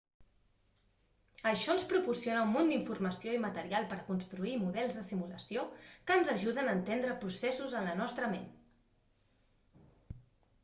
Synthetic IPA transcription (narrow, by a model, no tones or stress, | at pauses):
əʃɔnspɾupursionəumːund̪iɱfurməsioimət̪əɾialˠpəɾkunst̪ɾuimuðɛlˠzðəsimuləsiokənzəʒuðənəːnt̪end̪ɾəpɾusɛsuzənlənɔst̪ɾəmḛn